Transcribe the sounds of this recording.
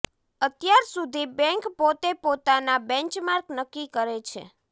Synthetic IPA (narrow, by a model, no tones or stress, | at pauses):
ət̪jaɾsud̪ʱibɛ̃ŋkpot̪epot̪anabɛ̃ɲt͡ʃmaɾknəkːikəɾet͡ʃʰḛ